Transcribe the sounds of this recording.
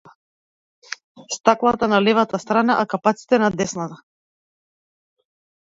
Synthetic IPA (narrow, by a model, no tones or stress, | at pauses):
st̪aklˠat̪analɛvat̪ast̪ɾanaʔakapat̪si̥t̪ɛnad̪ɛsnat̪a